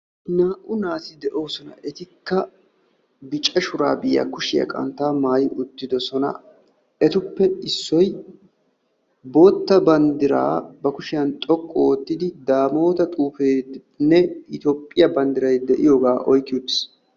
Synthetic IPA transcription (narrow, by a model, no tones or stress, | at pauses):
naːʔʊnaːsɪd̪ɛʔo̞ːsɔnɐ̰ʔɛt̪ɪkːɐ | bɪt͡ʃʼːɛʃʊɾaːbɪjːɐ̰kʊʃɪjɐ̰kʼɐ̰nt̪ːaːmaːjʊt̪ːɪd̪ɔsɔnɐ̰ | ɛt̪ʊpːɛɪsːɔj | bo̞ːt̪ːɐbɐnd̪ɪɾa̰ːbɐkʊʃɪjɐnt̪ʼɔkʼːɔwɔt̪ːɪd̪ɪd̪aːmo̞ːt̪ɐt̪ʼuːfeːd̪ | nːɛɪt̪oːpʼːɪjɐbɐnd̪ɪɾɐjd̪ɛʔɪjoːɡaːʔɔjkːɪjud̪s